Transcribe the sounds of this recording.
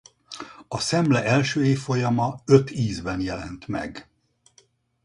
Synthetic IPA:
ɒsɛmlɛʔɛlʃøːeːfːo̞jɒmɒøt̪iːzbɛnjɛlɛnt̪mɛ̰ɡ

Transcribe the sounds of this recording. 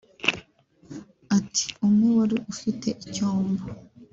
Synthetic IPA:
atʰi̥omuwaɾiʔufite̞ʔicoːmbo

